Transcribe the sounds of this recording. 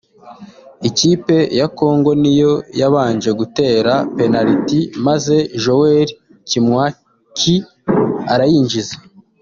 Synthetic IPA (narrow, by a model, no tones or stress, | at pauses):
iciːpe̞jako̞ːŋɡo̞nijo̞jaβaːnʒe̞ɡute̞ːɾape̞naɾitimaze̞ʒo̞weɾi | cimwa | kʰi | aɾajiːɲʒize̥